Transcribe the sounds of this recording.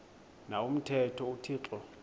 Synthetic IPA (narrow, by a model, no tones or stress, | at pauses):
naum̩tʰɛtʰɔutʰiːǁɔ